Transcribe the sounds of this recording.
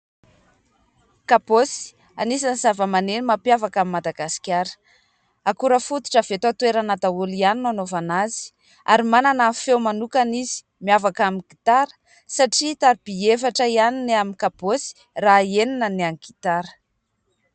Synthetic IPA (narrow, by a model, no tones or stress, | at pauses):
kaposi̥ | anisaniz̥avəmanenimapjavakamimad̪aɡasi̥kʲaɾə̥ | akuɾəfut̪u̥ʈ͡ʂəv̥et̪at̪weɾanad̪aulianinanovanazi̥ | aɾimananəfewmanukanizi̥ | miavakamiɡit̪aɾə̥ | saʈ͡ʂit̪aɾib̥iefaʈ͡ʂəianineamikaposi̥ | raeninəneaŋɡit̪aɾə̥